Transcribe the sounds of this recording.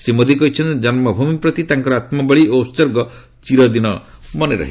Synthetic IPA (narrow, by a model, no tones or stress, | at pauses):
semod̪ʱikɔɦit͡ʃʰɔnt̪d͡ʒɔnmɔbʱumipɾɔt̪it̪ãŋkɔɾɔat̪mɔbɔɭiʔost͡ʃɔɾɡɔ | t͡ʃiɾɔd̪inɔmɔneɾɔ̰ɦi